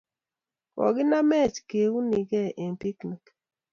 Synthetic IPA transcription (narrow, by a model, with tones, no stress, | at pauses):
kɔ̰˨ɡɪ˦na˦mɛ˦˨t͡ʃke˨u˦ni˨ɡɛ˦˨ʔe˨npi˦kni˨k